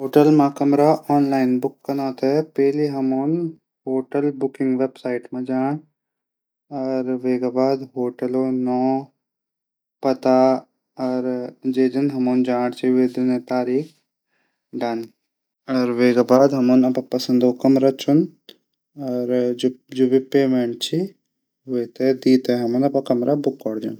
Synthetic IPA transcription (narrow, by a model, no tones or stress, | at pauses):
ɦoːʈəlmãkɐmɾaɔːnlaːɪnbʊkːɐnaːt̪epɛɦliɦɐmoːn | hoːʈəlbʊkɪ̃ŋɡʋeːbsaːɪʈmẽd͡ʒaːɽ̃ | ɐɾʋeːɡabaːd̪ɦoːʈɐloːnɔː | pɐt̪a | ɐɾd͡ʒeːd͡ʒɐnɦɐmond͡ʒãːɽt͡ʃʰied̪ɪnẽt̪aːɾiːkʰ | ɖan | ɐɾʋeːɡabaːd̪ɦɐmonɐpapɐsənd̪okɐmɾat͡ʃʰun | ɐɾd͡ʒubipeːmeɳʈ̚t͡ʃʰi | ʋet̪ed̪iːt̪eɦɐmonɐpakɐmɾabʊkːɔːɽd͡ʒun